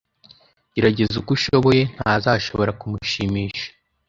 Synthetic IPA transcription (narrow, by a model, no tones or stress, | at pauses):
iɾaɟe̞zukuʃo̞βo̞je̞n̥hazaːʃo̞̰βo̞ɾakumuʃimiːʃḁ